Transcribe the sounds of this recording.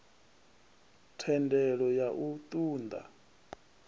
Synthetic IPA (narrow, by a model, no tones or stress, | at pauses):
tʰɛndɛɺɔjaʔut̪ʼuːnd̪ʱa̰